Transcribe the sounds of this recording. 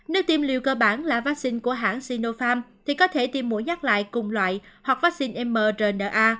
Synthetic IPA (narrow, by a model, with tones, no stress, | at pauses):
nə˦˥k̚t̪i˧mlḭ˨˧˨əwkəː˧ɓaː˧˩nlaː˨˩vaː˦˥k̚si˧ŋku˧˩əɦa̰ː˧˩nsi˧no˧faː˧mt̪ʰi˨˩kɔ˨˦t̪ʰe˧˩t̪i˧mːu˧˦jɲa˦˥k̚la̰ː˧˨jkʊ˨˩ŋ͡mlwa̰ː˧˨jhwa˨˩k̚vaː˦˥k̚si˧nʔɛ˧mːəː˧˩zəː˨˩nəː˨˩ʔaː˧